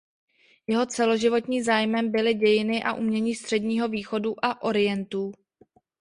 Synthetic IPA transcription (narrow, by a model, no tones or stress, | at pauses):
jɛɦo̞t͡sɛlo̞ʒɪvo̞t̪ɲiːmzaːjmɛmbɪlɪɟɛjɪnɪʔa̰ʔṵmɲɛɲiːst̪r̥ɛdɲiːɦo̞viːxo̞duʔaʔo̞ɾɪjɛnt̪uː